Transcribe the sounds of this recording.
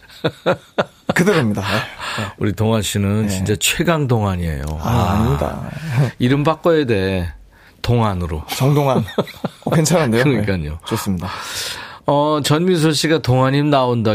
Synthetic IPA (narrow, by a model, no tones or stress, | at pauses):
kɯdɯɾɯmɲida | uɾitoŋɦaɕʰinɯnt͡ɕint͡ɕ͈at͡ɕʰwe̞ɡaŋdoŋɦaɲie̞̰jo̰a̰ɲɲida̰iɾɯmpak͈oede̞ɦe | toŋɦanɯɾo̰t͡ɕʌŋdoŋankent͡ɕʰanandejoɾʌɲik͈aɲo̰t͡ɕos͈ɯmɲida | ʌt͡ɕʌnmis̬ʰoɕ͈ʰiɡatoŋɦaɲimnaonda